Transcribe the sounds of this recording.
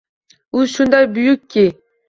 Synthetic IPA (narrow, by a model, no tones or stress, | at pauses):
uʃund̪ɑjbʊjʊkʲʰːi